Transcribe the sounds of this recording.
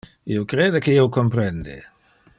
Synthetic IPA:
iokɾeːd̪ekeiwkompɾɛnd̪ḛ

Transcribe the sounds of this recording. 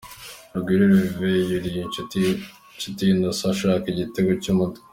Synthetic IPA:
ɾuɡwiːɾeɾivejiɾiji | t͡ʃitindosaʃaːkiɟiteɡocumut

